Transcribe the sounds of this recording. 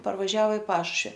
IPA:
pɐrʋɐˈʒʲɛoː ɪ ˈpɑːʃʊʃʲʋʲɪ

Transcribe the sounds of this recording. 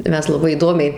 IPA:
ˈmʲɛs lˠɐˈbɐɪ iːˈdoːmʲɛɪ

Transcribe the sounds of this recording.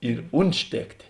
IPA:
ɪr ˈʊnʲtʲˌʃʲtʲeːktʲeː

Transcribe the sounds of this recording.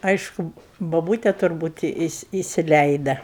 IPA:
ˈɐɪʃkʊ boːˈbuːtʲɛ tʊrˈbuːt ɪsʲɪ ɪsʲɪˈlʲɛɪdɐ

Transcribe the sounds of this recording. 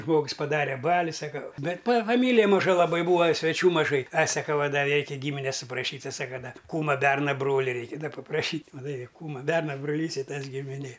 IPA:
ˈʒmoːks pɐˈdɑːrʲɛ ˈbɑːlʲɪ ˈsɑːkɐ ˈbʲɛt pɐ fɐˈmʲiːlʲɪjɛ mɐˈʒɐ lˠɐˈbɐɪ ˈbuːɐ sʲʋʲɛˈt͡ʃʲuː mɐˈʒɐɪ ɐ sɐˈkɐ ɐ ˈdɐ ˈrʲɛɪkʲɛ ˈɡʲiːmʲɪnʲɛs sʊprɐʃʲiːtʲ ˈtʲɪ ˈsɑːkɐ ˈdɐ ˈkuːmɐ ˈbʲɛrnɐ ˈbroːlʲɪ ˈrʲɛɪkʲɪ ˈdɐ pɐprɐˈʃʲiːtʲ mɐˈtɐɪ ˈkuːmɐ ˈbʲɛrnɐ broːˈlʲiːs ɪ ˈtɐs ɡʲɪmʲɪˈnʲeː

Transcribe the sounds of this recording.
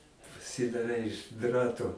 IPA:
pɐsʲɪdɐˈrʲɛɪ ɪʃ ˈdrɑːtoː

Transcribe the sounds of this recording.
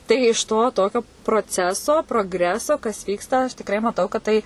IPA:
tɐɪ ɪʃ ˈtoː ˈtoːkʲoː proːˈt͡sʲæːsoː proːɡˈrʲæːsoː kɐs ˈʋʲiːkstɐ ɐʃ tʲɪkˈrɐɪ mɐˈtɐʊ kɐt ˈtɐɪ

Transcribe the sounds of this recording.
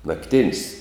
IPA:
nɐkˈtʲɪnʲsʲ

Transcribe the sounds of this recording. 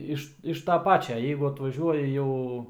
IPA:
ˈɪʃ ɪʃ tɐ ˈpɑːt͡ʃʲɛ ˈjɛɪɡʊ ɐtʋɐˈʒʲuɔjɪ ˈjɛʊ

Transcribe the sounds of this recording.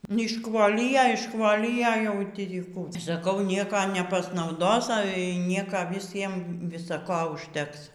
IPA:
nʲɛɪʃˈkʋoːlʲɪjɛ ɪʃˈkʋoːlʲɪjɛ jɛʊ ˈtʲiː ˈkuː sɐˈkɐʊ ˈnʲiɛkɐ nʲɛpɐsnɐʊˈdoːs ˈɑːlʲɛ iː ˈnʲiɛkɐ ʋʲɪˈsʲiɛm ʋʲɪˈsɐ ˈkoː ʊʃʲˈtʲɛks

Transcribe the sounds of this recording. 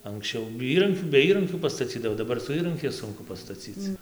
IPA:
ɐŋksʲˈt͡ʃʲɛʊ ˈiːrɐŋʲkʲuː bʲɛ ˈiːrɐŋʲkʲuː pɐstɐˈt͡sʲiːdɐʋoː dɐˈbɐr sʊ ˈiːrɐŋʲkʲɛɪs ˈsʊŋkʊ pɐstɐˈt͡sʲiːt͡s

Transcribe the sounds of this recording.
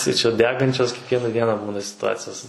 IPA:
tɐɪ t͡ʃʲɛ ˈdʲæːɡɐnʲt͡ʃʲoːs kʲiɛkˈʋʲiɛnɐ ˈdʲiɛnɐ ˈbuːnɐ sʲɪtʊˈɑːt͡sʲɪjoːs

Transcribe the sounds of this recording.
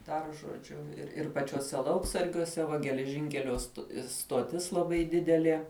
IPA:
dɐr ʒoːˈd͡ʒʲʊ ɪr ɪr pɐt͡ʃʲuɔˈsʲɛ ˈlˠɐʊksɐrʲɡʲuɔsʲɛ ˈʋɐ ɡʲɛlʲɛˈʒʲɪŋʲkʲɛlʲoː st stoːˈtʲɪs lˠɐˈbɐɪ ˈdʲɪdʲɛlʲiɛ

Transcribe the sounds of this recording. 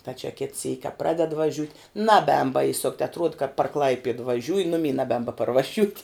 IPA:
tɐ t͡ʃʲɛ kʲɪt sʲiːkʲ kɐ ˈprɑːdʲɛt ʋɐˈʒʲʊtʲ nɐˈbʲɛːn bɐɪˈsʊkt ɐtˈruɔt kɐt pɐr ˈklˠɐɪpʲiɛt ʋɐˈʒʲuːjɪ ˈnʊmʲiː nɐˈbʲɛːn bɐpɐrʋɐˈʒʲuːtʲ

